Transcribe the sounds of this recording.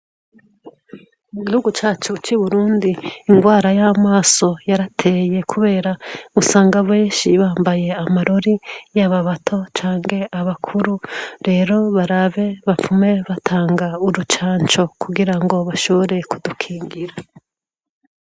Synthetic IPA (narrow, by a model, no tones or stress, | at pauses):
muɡihuɡut͡ʃaːt͡ʃut͡ʃiβuɾuːndiːŋɡwaːɾajamaːso̞jaɾatʰeje̞kʰuβe̞ːɾaɡusaːŋɡaβwe̞ːʃiβaːmbaje̞amaɾo̞ɾijaβaβatʰo̞t͡ʃaːŋhe̞ʔaβakʰuɾuɾe̞ːɾo̞βaɾaβe̞βap͡fume̞βatʰaːŋɡauɾut͡ʃaːɲt͡ʃo̞kuɡiɾaŋɡo̞βaʃo̞βo̞ɾe̞kudukʰiːŋɡiɾa